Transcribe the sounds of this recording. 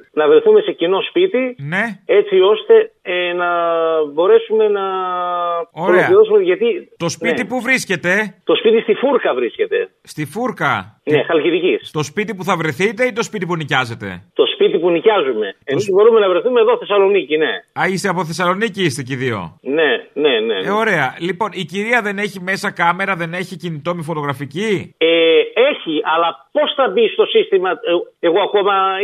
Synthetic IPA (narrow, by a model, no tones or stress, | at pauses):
nɐvɾe̞θume̞se̞cino̞spit̪ine̞et͡sio̞st̪e̞enɐbo̞ɾe̞sume̞nɐ | oɾeloɐiosumeʝɐt̪it̪o̞spit̪ipuvɾisce̞t̪e̞t̪o̞spit̪ist̪ifuɾkɐvɾisce̞t̪e̞̰ | st̪ifuɾkɐnexɐlciðicist̪o̞spit̪ipuθɐvɾe̞θit̪e̞it̪o̞spit̪ipunicɐze̞t̪e̞̰t̪o̞spit̪ipunicɐzume̞emizbo̞ɾumenɐvɾe̞θumeðo̞θe̞sɐlo̞nicine̞ɐist̪eɐpo̞θe̞sɐloniciist̪e̞ciðio̞̰neneneo̞ɾe̞ɐlipo̞niciɾiɐðe̞ne̞çime̞sɐkɐme̞ɾɐðe̞ne̞çicinit̪o̞mifo̞t̪o̞ɣɾɐficieeçiɐlɐpo̞sθɐbist̪o̞sist̪imɐe̞ɣo̞ɐkomɐ